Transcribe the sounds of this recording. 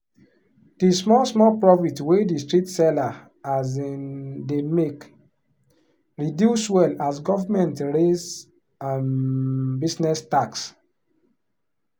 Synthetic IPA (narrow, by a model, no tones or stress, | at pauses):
d̥ismɔlsmɔlpɹɔfitwedistɹitsɛla | az | demek | ɹidjuswɛlasɡɔvamɛ̃ntɹez | ãmbisnɛstaks